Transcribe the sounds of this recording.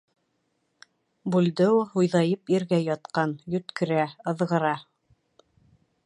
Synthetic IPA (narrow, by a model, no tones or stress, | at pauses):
bʉld̪ɘwhujðɑjɤpiɾɡæjɑt̪qɑnjɵ̆t̪kɘ̆ɾæɤ̆ðʁɤ̆ɾɑ